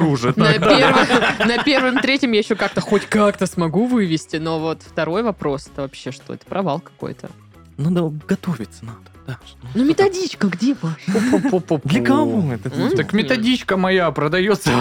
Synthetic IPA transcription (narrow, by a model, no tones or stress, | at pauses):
uʐɨnɐp̪ʲervɨnɐpʲe̞rvɨmt̪ɾʲetʲɪmjajɪɕːokak̚t̪əxotʲkakt̪əsmɐɡuvɨvʲɪsʲtʲɪno̞vo̞t̪ft̪ɐɾo̞jvɐpɾo̞sɛ̥t̪əvɐpɕːe̞ʂt̪o̞ɛ̰t̪ə̥pɾʔɐvalˠkɐ̥ko̰jt̪ʰə̰ | nad̪əɡɐt̪o̞vʲɪt̪sənad̪ə̥d̪̥anumʲɪt̪ɐdʲit͡ɕkəɡdʲepapopːoopːopd̪lʲəkɐvoɛt̪ət̪akmʲɪt̪ɐdʲit͡ɕkəmɐjapɾəd̪ɐjot̪sə